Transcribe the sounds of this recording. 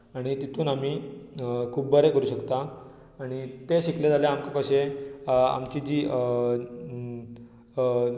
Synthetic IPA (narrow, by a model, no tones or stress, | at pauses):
aɽ̃it̪it̪ʰuːnamiː | kʰuːbbəɾekəɾuːɕəkt̪aː | ɽ̃it̪eɕikled͡zaljaamkakəɕe | a̰mt͡ɕiːd͡ʑiː